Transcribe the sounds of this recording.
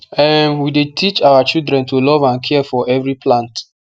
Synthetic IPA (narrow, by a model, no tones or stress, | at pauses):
ɛnwidetʰit͡ʃawat͡ʃildɹɛ̃ntulɔvãnkʰɛfɔʔɛvɹipʰlãnt